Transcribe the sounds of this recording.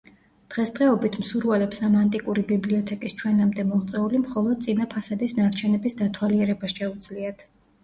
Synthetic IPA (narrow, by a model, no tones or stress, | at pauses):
d̪̥ʁɛsd̪ʁɛɔbit̪ʰmsuɾvɛlɛpsamant̪ʼikʼuɾibibliɔt̪ʰɛkʼist͡ʃʰwɛnamd̪ɛmɔʁt̪sʼɛulimχɔlˠɔd̪̥̚sʼinapʰasad̪isnaɾt͡ʃʰɛnɛbisd̪at̪ʰwaliɛɾɛbasʃɛud̪zliat̪ʰ